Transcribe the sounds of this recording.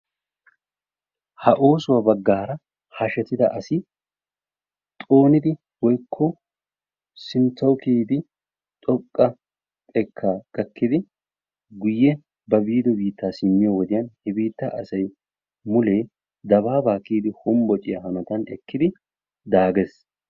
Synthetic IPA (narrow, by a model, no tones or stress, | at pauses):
hɐʔo̞ːsʊwabɐɡːaːɾɐ | hɐʃɛt̪ɪd̪ɐʔɐsɪ | t̪ʼo̞ːnɪd̪ɪ | wɔjkʰːɔ | sɪnt͡sːɐwʊkiːd̪ɪ | t̪ʼɔkʼːɐ | t̪ʼɛkʰːaːɡ̥ɐkːɪd̪ɪ | ɡʊjːɛ | bɐbiːd̪ɔbiːt̪ːaːsɪmːɪjɔwɔd̪ɪjɐnhɛbiːt̪ːa̰ʔɐsɐj | mʊleː | d̪ɐβaːbaːkiːd̪ɪhɔmbɔt͡ʃʼːɪjɐhɐmɐt̪ɐnɛ̰kːɪd̪ɪ | d̪aːɡes